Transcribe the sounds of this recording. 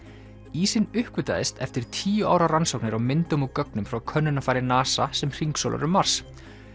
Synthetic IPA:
iːsɪnʏhkvʏt̪a̰ðɪst̪ɛft̪ɪɾ̥t̪ʰiːjʏaːwɾaransowknɪɾawmɪnt̪ʏmukœknʏmfɾawkʰœnːʏnːafajɾɪnaːsasɛmr̥iŋkso̰la̰ɾʏmːaɾ̥s

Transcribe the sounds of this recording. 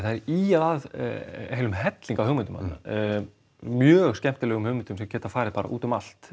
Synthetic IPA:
θaðɛɾiaðað̰heːjlʏmɦɛt̪liŋkawhʏɣmʏnt̪ʏmhanna̰ | mjœːɣscɛm̥t̪ɪlɛːɣʏmhʏɣmɪnt̪ʏmsɛmcɛːt̪afaːɾɪðpaːɾa̰ʔṵːt̪ʏmal̥t̪

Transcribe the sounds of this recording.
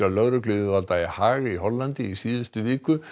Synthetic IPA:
alœɣɾʏklɪːðʏvalt̪aɛhaːɣiɦɔlːant̪ɪisiːðʏst̪ʏviːkʏ

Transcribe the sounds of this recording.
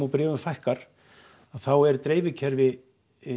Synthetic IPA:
ɔwpɾɪːvʏmfajhkaɾ̥ | aðθawɛɾt̪ɾeːjvɪcʰɛɾvɪ

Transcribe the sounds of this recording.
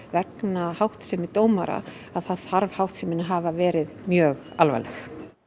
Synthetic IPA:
vɛknahawht̪sɛmɪt̪oːwmaɾa̰ | aðθaðθaɾvhawht̪sɛmɪnaɦaːvavɛːɾɪðmjœːɣalva̰jlɛx

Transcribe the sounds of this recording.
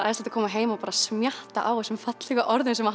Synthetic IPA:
a̰jðst̪lḁt̪akʰɔːmaɦeːjmaɔpaːɾasmjaht̪a̰ʔaːwɛsɛmfat̪lɛɣaʔɔɾðʏnsɛma

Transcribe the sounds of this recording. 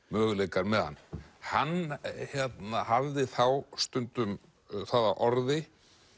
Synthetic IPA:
mœːɣleːjkaɾmɛðha̰nːhanːçjɛt̪nahavðɪθawst̪ʏnt̪ʏm | θaðaʔɔɾðɪ

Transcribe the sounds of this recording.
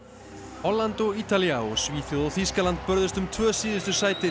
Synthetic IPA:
hɔlːant̪ɔɣiːt̪aliaɔsviːθjoðawθiskalant̪̚pœɾðɪst̪ʏmt̪ʰvœːsiːðɪst̪ʏsaːjt̪ɪ

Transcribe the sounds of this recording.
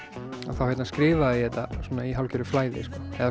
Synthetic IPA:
aθawhejt̪naskɾɪːvaðiðɛt̪ːasɔːnaiɦawlcʏɾʏflaːjðɪ̰skɔːɛða

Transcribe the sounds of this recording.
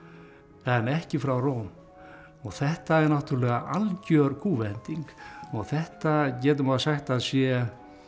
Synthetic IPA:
ɛnɛhcɪfɾawroːwm | ɔɣθɛht̪aɛɾnaht̪ʏɾlɛɣaʔalcœɾkʰuːvɛnt̪iŋkɔɣθɛht̪acɛːt̪̬ʏmaðsaxt̪aðsjɛ

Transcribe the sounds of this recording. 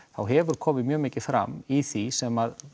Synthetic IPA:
θawɦɛvʏɾ̥kʰɔːmɪðmjœːmɪːcɪ̥fɾa̰miθisɛmað

